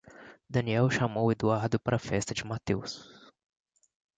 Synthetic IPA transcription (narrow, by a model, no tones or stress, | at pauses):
d̪ɐ̃niɛwʃamowed̪uaɾd̪ʊpaɾɐfɛst̪ɐd͡ʒɪmat̪ews